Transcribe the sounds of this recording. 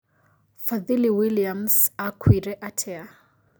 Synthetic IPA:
faðiliwiliamsakʰwiɾɛʔatʰɛa

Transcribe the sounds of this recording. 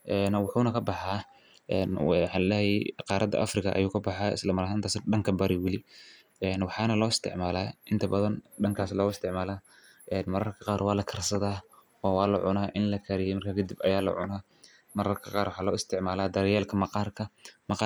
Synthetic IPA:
ʔɛːnwʊħuːnɐkʰɐbɑħɑː | ɛːnħɑlɛːjɛqɑːɾɐd̪ɐ̰ʔɐ̰frɪkʰɐʔɐ̰juːkʰɐbɑħɑːɪ̰slɐmɐɾaɦɪnt̪ʰaːsɖɐŋkʰɐbɐɾɪwɪlɪ | ɛːnwɑħɑːnɐlɔːɪst̪ʰɪ̰ʕmaːlaːʔɪnt̪ʰɐbɐðɐnɖɐŋkʰaːslɔːɣɪst̪ʰɪʕmaːlaː | ɛːnmɐɾɐrkʰɐqɑːɾwɑːlɐkʰɐrsɐðaː | wɑwɑːlɐ̰ʕʊnaːʔɪnlɐkʰɐɾɪjɛjmɐrkʰaːkʰɐd̪ibɐjaːlɐ̰ʕʊ̰naː | mɐɾɐrkʰɐqɑːɾwɑħɑːlɔːɪst̪ʰɪʕmaːlaːd̪ɐɾɛjaːlkʰɐmɐqɑːrkʰɐmɐqɑ

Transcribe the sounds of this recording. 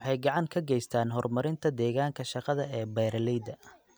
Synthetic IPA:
wɑħɑjɡɑʕɑŋkʰɐɡɛjst̪ʰaːnɦɔrmɐɾɪnt̪ʰɐd̪ɛːɣaːŋkʰɐʃɑqɐðɐɛːbɛːɾɐlɛjd̪ɐ

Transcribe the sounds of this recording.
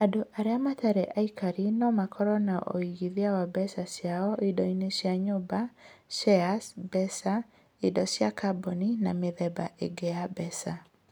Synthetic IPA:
adoʔaɾeamataɾɛʔaikʰaɾinɔmakʰɔɾɔnaʔo̰iɣiðiawabɛsasjaɔidɔinesjaɲobaʃɛasbɛsa | idɔsjakabonina̰meðɛbaʔḛɡeabɛsa

